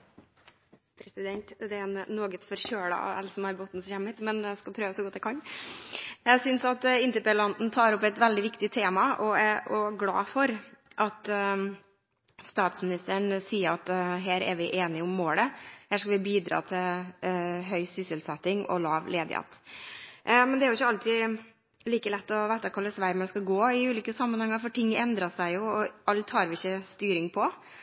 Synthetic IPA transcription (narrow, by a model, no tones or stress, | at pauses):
pʰɾɛsɪd̪ɛnt̪d̪ɛɛnnːoːɡət̪fɔɾçøːɽə̰ɛ̰lsɔmhɑɾbɔt̪n̩sçɛmmɪt̪mɛnæskɑpʰɾøːʋəsɔɡɔt̪ːjæɛɪkʰɑn | jæɪsʏnsɑt̪ɪnt̪əɾpɛlɑnn̩t̪ʰɑːɾɔpɛɪt̪ʋɛld̪ɪʋɪkt̪ɪt̪ʰeːmɑɔæɔɡlɑ̰ːfɔɾʔɑt̪ | st̪ɑːt̪smɪnɪst̪əɳsiːəɾɑt̪ɦæːɾɛ̰ɾʋɪʔeːnɪʊmːoːləhæːʂkɑlʋɪbiːd̪ɾɑ̰ːt̪ʰɪl | ɦœʏsʏsəlsɛt̪ːɪŋɔ̰lɑːʋlʔeːd̪ɪ̰hḛːt̪ʔmɛnd̪ɛæɾʊɪçːəɑlt̪ʰiː | liːkəlɛt̪ːɔʋæɪt̪ɑkʰɑːlɛsʋæɾməɛskɑɡoːɪʉːliːkəsɑmːənhɛŋːɑɾfɔʈɪŋːɛnd̪ɾɑsæɪjʊɔɑlt̪hɑːɾʋɪɪçːəst̪yːɾɪŋpʰɔ